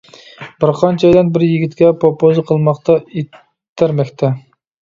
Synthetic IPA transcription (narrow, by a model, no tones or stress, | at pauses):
b̥ɪɾqʰɑnt͡ʃʰɛd̪ɛnbɪɾjiɡʲit̪kʲɛpʰopozɨqʰəlˠmɑqt̪ɑe | t̪ʰːæɾmɛkʲt̪ʰɛ